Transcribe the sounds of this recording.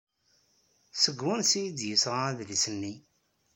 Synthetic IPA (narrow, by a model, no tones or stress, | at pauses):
səɡwʊnsijid̪jəsʁaðlisənːi